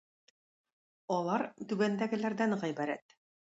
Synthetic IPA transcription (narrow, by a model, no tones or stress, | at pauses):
ɒlˠɑɾt̪ʉɡænd̪æɡɘ̆læɾd̪æŋʁæjbæɾæ̰t̪